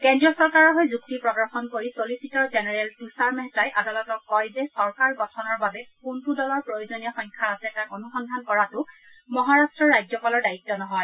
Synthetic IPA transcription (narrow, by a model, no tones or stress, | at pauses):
kɛndɹiɔsɔɹkaɹɔɦɔjzuk̚tipɹɔɡɔɹxɔnkoɹisolisitɔɹzɛnɛɹɛltusaɹmɛɦtajʔadalɔtɔkːɔjzɛsɔɹkaɹbɔtʰɔnɔɹbabɛkuntudɔlɔɹpɹojozonijɔxɔjŋkʰaasɛtakonusɔndʱankɔɹatʊ | mɔɦaɹastɹɔɹajzɔpalɔɹdaitːɔnɔɦɔj